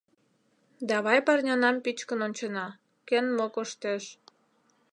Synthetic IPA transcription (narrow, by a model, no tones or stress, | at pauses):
d̪ɑβɑjpɑrnʲonɑmpit͡ɕkənonʲt͡ɕənɑ | kenmokoʃt̪eʃ